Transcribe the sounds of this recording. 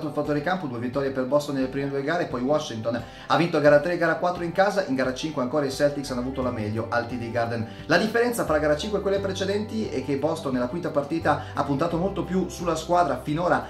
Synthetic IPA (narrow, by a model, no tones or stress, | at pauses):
t̪oalfat̪ːoɾekampod̪uevit̪ːɔːɾjeperbɔst̪onːelepɾimed̪uːeɡaːɾepɔjwɔʃːint̪on | avint̪olɡaːɾat̪ːɾeɡaːɾakwat̪ːɾoiŋkaːzaʔiŋɡaːɾat͡ʃiŋkweaŋkoːɾaisɛlt̪iksanːavuːt̪olamɛʎːoʔalt̪id̪iɡard̪ɛn | lad̪ifːeɾɛnt̪safɾaɡaːɾat͡ʃiŋkwekwelːepɾet͡ʃed̪ɛnt̪iɛkːebɔst̪onːelakwint̪apart̪iːt̪aa̰pːunt̪aːt̪omolt̪opjusulːaskwaːd̪ɾafinoːɾa